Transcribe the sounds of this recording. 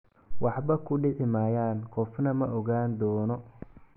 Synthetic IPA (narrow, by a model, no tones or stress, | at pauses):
wɑħbɐkʰʊɖɪʕɪmaːjaːnkʰɔfnɐmɐʔɔɣaːnd̪ɔːnɔ